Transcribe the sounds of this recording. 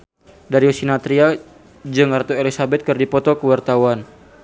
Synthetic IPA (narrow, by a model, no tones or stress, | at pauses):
daɾiosinat̪ɾia | d͡ʒəŋart̪uelisabɛt̪̚kɨrdipɔt̪ɔkəwart̪awan